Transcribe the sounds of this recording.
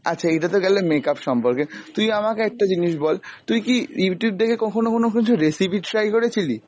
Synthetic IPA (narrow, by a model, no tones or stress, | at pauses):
a̰tːɕʰaeʈat̪̬oɡɛlomekapʃɔmpoɾket̪umiamakeɛk̚ʈad͡ʑiniʃbɔlt̪umikijuʈjub̚d̪ekʰekɔkʰonokonok̬it͡ɕʰuɾesipiʈʈɾajkoɾet͡ɕʰili